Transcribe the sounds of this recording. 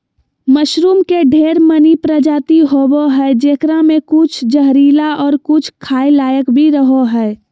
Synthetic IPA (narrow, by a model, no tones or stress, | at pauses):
məʃɾuːmkeɖʱeːɾmənipɾəd͡ʒaːt̪iɦoboɦɛd͡ʒeːkɾamẽkʊt͡ʃʰd͡ʒəɦɾiːlaʔɔːɾkʊt͡ʃʰkʰaːilaːjəkbʱiɾəɦoɦɛː